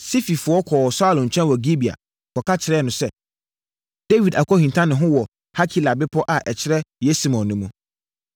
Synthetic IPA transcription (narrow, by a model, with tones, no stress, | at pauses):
si˦fi˨fʊ˨˦ɔ˦kʰɔː˨sa˦lɔ̃˨ɲ̩˨t͡ɕᶣɛ̃˦nwɔ˨ɡi˦bi˨a̰˨ | kʰɔ˨kʰa˦t͡ɕʰɪ˨ɾɛː˦nʊ̃˨sɛ˦ | d̥e˦wi˨da˨kʰɔ˦hĩ˨ntʰã˦nɪ̃˨ɦʊ̃˦wɔ˨ | ha˦kʰi˦˨la˨bɪ˦pʰɔ˦ʔa˨ʔɛ˨t͡ɕʰɪ˦ɾɛ˦jɛ˦si˦mɔ̃˨nːʊ̃˦mũ˦